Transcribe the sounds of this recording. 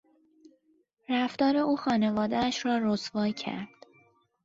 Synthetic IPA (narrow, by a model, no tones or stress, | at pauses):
ɾæft̪ɒːɾe̞uːxɒːne̞vɒːd̪eæʃɾɒːɾosvɒːjcʰæ̰ɾd̪̥